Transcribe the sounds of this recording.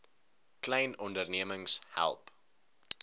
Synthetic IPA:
klɛjnɔndərniəməŋshæ̰lˠp

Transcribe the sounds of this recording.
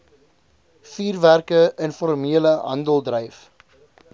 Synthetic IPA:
fiːrværkəənfɔrmiələɦɐ̰ndəlˠdrəjf

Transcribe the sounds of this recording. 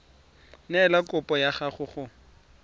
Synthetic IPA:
nɛlakʊpʼɔjaχaχʊχʊ

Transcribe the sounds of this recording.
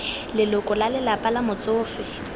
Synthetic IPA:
lɪlʊkʼɔlalɪlapʼalamʊt͡sʼʊːfɪ

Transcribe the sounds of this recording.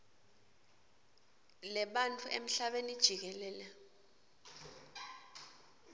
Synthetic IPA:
lɛɓantʰʼuʔḛm̩ɬaɓenid̥ʒ̥ʱik̬ɛlɛːlɛ

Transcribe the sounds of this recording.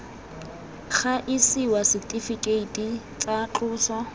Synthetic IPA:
χaʔɪsɪwasiktʼifikʼeitʼi | t͡sat͡ɬʊːsɔ

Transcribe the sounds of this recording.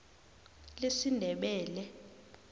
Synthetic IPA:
lesindʱɛɓɛːlɛ

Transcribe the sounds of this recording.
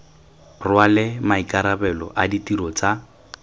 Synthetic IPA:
rwalɪmaikʼaɾabɛlɔ̰ʔaditiɾɔt͡sʼa

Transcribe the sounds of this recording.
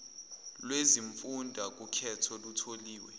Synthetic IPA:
lweziɱfundʱak̬ʼukʰɛtʰɔlutʰoliːwɛ

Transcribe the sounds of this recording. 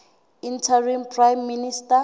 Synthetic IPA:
intʰarimpʼrajmːinista

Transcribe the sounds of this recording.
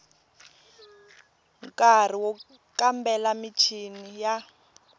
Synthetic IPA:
ŋkʼar̤iwɔ | kambɛlamit͡ʃʰinija

